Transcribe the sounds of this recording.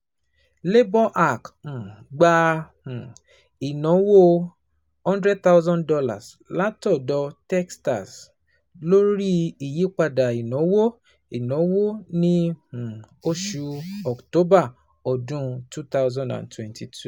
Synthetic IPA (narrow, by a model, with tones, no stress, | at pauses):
le˦bɔ˦ʔa˦˨k̩˨ɡ͡bã˧˨ | i˨nɔ̃˨˦wo˦ | hɔ̃˦ndɾɛ˦d̚t̪a˦wzɔ̃˦ndɔ˧la̰˨s | la˨˦tɔ˦˨dɔ˧tɛ˦ksta˨s | lo˦ɾi˦i˨ji˨˦k͡pa˧da˨i˨nɔ̃˨˦wo˦ | i˨nɔ̃˨˦wo˦nĩ˦h̩˨ | o˧ʃu˧ɔ˨kto˦ba˦˨ | ɔ˨dũ˦tu˦t̪a˦wzɔ̃˦ndã̰˨ntwɛ̃˨nti˨tʰu˦˨